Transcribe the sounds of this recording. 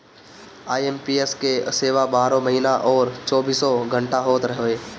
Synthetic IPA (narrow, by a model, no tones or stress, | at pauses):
aːjempieskeseːʋabaːɾõməɦiːnaʔɔːɾt͡ʃɔːbiːsɔɡʱə̃ɳʈaɦoːt̪ɾɐɦoːeː